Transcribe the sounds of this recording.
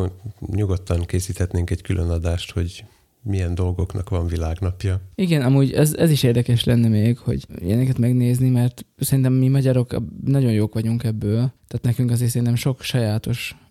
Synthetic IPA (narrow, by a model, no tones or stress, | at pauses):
ɲuɡo̞t̪ːɒŋkeːsiːt̪hɛt̪neːŋkɛɟkylʔønɒd̪aːʃt̪ho̞ɟ | mijɛnd̪o̞lɡo̞knɒkʋɒɱvilaːɡnɒpjɒiɡɛnɒmuːɟɛzɛziʃeːrd̪ɛkɛʃlɛnːɛmeːɡho̞̰ɟ̰jɛnɛkɛt̪mɛɡneːznimɛrt̪sɛɾint̪ɛmmimɒɟɒɾo̞knɒɟo̞njoːkʋɒɟuŋkɛbːøːlt̪aːt̪nɛkyŋkɒzeːrsɛɾinɛmʃo̞kʃɒjaːt̪o̞ʃ